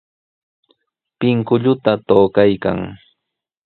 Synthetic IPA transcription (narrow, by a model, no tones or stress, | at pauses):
pɪŋkʊʎʊt̪at̪oːkajka̰ŋ